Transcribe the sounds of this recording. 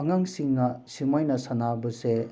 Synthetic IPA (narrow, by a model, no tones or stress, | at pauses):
aŋaŋsiŋnɐsimɔjnɐsanabɯse